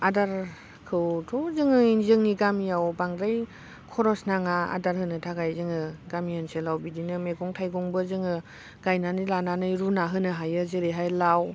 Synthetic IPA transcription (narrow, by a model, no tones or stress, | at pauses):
adaɾ | kʰɯwtʰɔzɯŋɯnzɯŋniɡamijawbaŋɾaj | kʰɔɾɔsnaŋaa̰daɾhɯnɯtʰaɡajzɯŋɯɡamiɔnselawbidinɯmeɡɔŋtʰajɡɔŋbɯzɯŋɯ | ɡ̥ajnanɯjlananɯjɾunaɦɯnɯɦajɯzeɾeɦajlaw